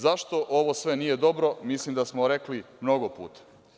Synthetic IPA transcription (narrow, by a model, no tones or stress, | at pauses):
zaʃt̪o̞ʔo̞ʋo̞sʋe̞niːje̞d̪o̞bɾo̞mislimd̪asmoɾeklimno̞ɡopṵːt̪ḁ